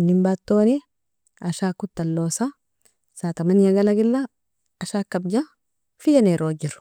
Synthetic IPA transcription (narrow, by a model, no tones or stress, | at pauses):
nːɪmbaːt̪ːoːnɪ | ɐʃaːkːʊt̪ːɐlːoːsɐ | saːt̪ɐmɐnɪjɐɡɐlɐɡɪlːɐ | ɐʃakːɐbd͡ʒɐ | fɪjɐneɾoːd͡ʒɪɾʊ̥